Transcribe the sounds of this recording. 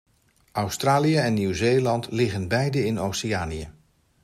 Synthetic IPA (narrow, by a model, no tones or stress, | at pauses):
ʔɑwstraːlijəɛnːywzejlɑntlɪχənbɛjdəɪnowsiaːniə